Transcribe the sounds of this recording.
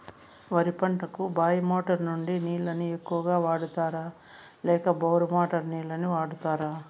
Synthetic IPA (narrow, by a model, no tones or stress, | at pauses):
ʋɐɾipɐɳʈɐkubaːjɐmoːʈɐɾnuɳɖiniːɭɐniekːuʋɐɡaːʋaːɽut̪aːɾaː | lɛːkɐbɐːɾumaːʈɐɾniːlɐniʋaːɽut̪aːɾaː